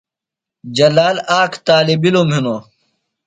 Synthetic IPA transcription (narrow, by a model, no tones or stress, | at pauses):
d͡ʑɐlaːlaːkt̪aːlibilomɦino